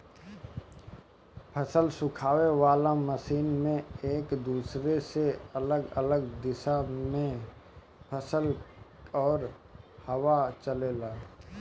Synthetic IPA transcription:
pʰəsəlsʊkʰaːweʋaːlaməsiːnmẽeːkd̪uːsɾeseɐləɡə̰ləɡ̚d̪ɪʃamẽ | pʰəsəl | ɔːɾ | həwat͡ʃəleːlaː

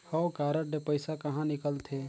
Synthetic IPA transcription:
həwkaːɾəʈɖepəɪsakəɦãnɪkəlt̪ʰe

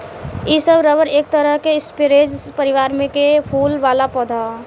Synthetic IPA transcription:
isəbɾəbəɾeːk̚t̪əɾəɦkeɪspeɾed͡ʒpəɾiʋaːɾmẽkepʰuːlʋaːlapɔd̪ʱa

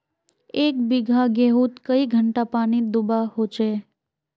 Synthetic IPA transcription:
ek̚biɡʱaɡeɦũt̪kəiɡʱəɳʈapaɽ̃id̪ubaɦot͡ʃʰe

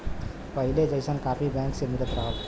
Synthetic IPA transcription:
pəɦiled͡ʒəjsənkapʰibɛ̃ŋksemiɾət̪ɾəɦəl

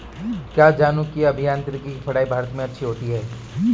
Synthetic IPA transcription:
kjaːd͡ʒaːnukiɐbʱijãːnt̪ɾɪkikifʰɐɽaːibʱaːɾət̪mẽɐtːʃʰiɦoːt̪iɦɛː

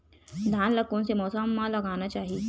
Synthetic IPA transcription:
d̪ʱaːnlɐkːõsemɔːsəmːãlɐɡaːnat͡ʃaːɦie

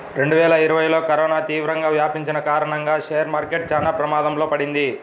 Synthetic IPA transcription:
ɾe̞ɳɖuʋɛːlɐiɾuʋɐjlo̞ːkɐɾɔːnaːt̪iːʋɾɐŋɡaːʋjaːpiɲt͡ʃinɐkaːɾɐɳɐŋɡaːʂeːjɐɾmaːɾkeʈ̚d͡ʒɐnapɾɐmaːd̪ɐmloːpɐɽind̪i

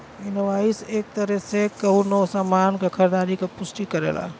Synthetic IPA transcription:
ɪnʋaːiseːk̚t̪ɐɾesekːɐɦuɾnoːsaːmaːnɡɐkʰəɾd̪aːɾikʰepʊsʈikɐɾḛːla̰ː

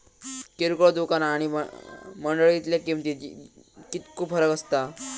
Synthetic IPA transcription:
keɾukoɭd̪ukanaɽ̃iəməɳɖəɭit̪ljakimt̪i | kit̪kʰupfʰəɾəkəst̪a

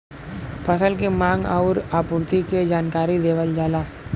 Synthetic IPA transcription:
pʰəsəlkemãːŋɡaʊɾaːpʊɾt̪iked͡ʒaːnkaːɾid̪eːʋəld͡ʒaːlaː

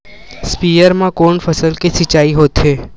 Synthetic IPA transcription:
spiːjəɾmãkoːnfɐsəlkisɪt͡ʃaːiɦoːt̪ɦeː

